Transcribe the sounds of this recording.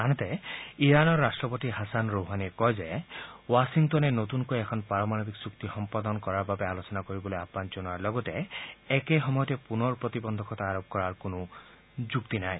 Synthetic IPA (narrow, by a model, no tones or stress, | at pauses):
anɔt̪ɛiɹanɔɹːastɹɔpotiɦasanɹoɦanikɔjzɛwasiŋtɔnɛnot̪unkojɛkʰɔnpaɹɔmanobiksukt̪ixɔmpad̪ɔnkɔɹaɹbabɛalosɔnakoɹibɔlojapanzɔnaɹlɔɡɔtɛɛkɛxɔmɔjɔtɛpunɔɹpɹot̪ibɔnd̪ʱɔkʰɔt̪aːɹɔb̚kɔɹaɹkonʊ | zukt̪inaj